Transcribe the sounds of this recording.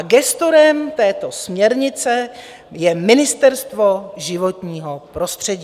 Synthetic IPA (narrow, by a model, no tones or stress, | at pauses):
aɡɛst̪oɾɛmt̪ɛːt̪o̞smɲɛɾɲɪt͡sɛ | jɛmɪnɪst̪ɛɾst̪vo̞ʒɪvo̞t̪ɲiːɦo̞pɾo̞st̪r̝̥ɛɟiː